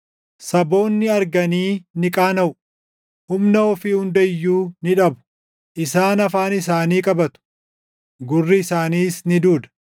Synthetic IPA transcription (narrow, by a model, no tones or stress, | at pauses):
sɐbo̞ːnːɪɐɾɡɐniːnɪkʼaːnɐʔʊ | hʊmnɐɔfɪhʊnd̪ɐjːuːnɪᶑɐbʊ̥ | ʔɪsaːnɐfaːnɪsaːniːkʼɐbɐt̪ʊ̥ | ɡʊrːɪːsaːniːsnɪd̪uːd̪ɐ̥